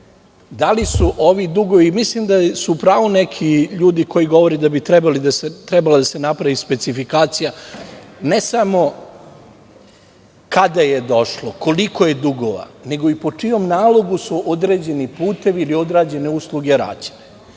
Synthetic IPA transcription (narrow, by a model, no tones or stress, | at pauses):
d̪alisuʔoʋid̪uɡo̞ʋimislimd̪asuːpɾaːʋunekʰiʎuːd̪ikʰojiɡo̞ʋo̞ɾed̪abit̪ɾebalid̪aset̪ɾebalad̪asenapɾaʋispe̞t̪sifikaːt̪sija | ne̞samo̞ | kad̪aje̞d̪o̞ʃloko̞liko̞je̞d̪uɡoʋa̰ne̞ɡo̞ipo̞t͡ʂijo̞mnaːlˠo̞ɡusuʔod̪ɾe̞ːd͡ʑe̞nipuːt̪e̞ʋiːlio̞d̪ɾaːd͡ʑe̞ne̞uslˠuɡe̞ɾa̰ːd͡ʑe̥ne